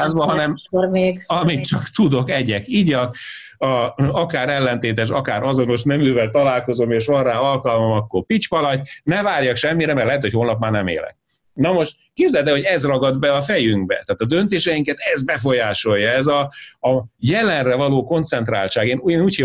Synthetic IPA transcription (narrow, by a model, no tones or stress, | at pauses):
aːzbɒɦɒnɛmomeːɡɒmit̪̚t͡ʃɒkt̪ud̪o̞kɛɟɛkiɟɒk | ɒɒkaːɾɛlːɛnt̪eːt̪ɛʃ̬ɒkaːɾɒzo̞no̞ʃnɛmyvɛlt̪ɒlaːlko̞zo̞meːʃʋɒraːɒlkɒlmomɒkːorpit͡ʃpɒlɒɟ̚nɛvaːrjɒkʃɛmːiɾɛmɛrlɛɦɛt̪ʰochoːlnɒpmaːrnɛmḛːlɛ̰k̚ | nɒmo̞ʃt̪keːbzɛlt̪ɛho̞ɟɛzrɒɡɒd̪bɛɒfɛjyŋɡbɛ̰t̪aːt̪ɒd̪ønt̪eːʃɛjiŋkɛt̪ɛzbɛfo̞jaːʃo̞jːɒɛzɒː | jɛlɛnrɛvɒloːko̞nt̪sɛnt̪ra̰ːlt͡ʃaːɡeːnunuːche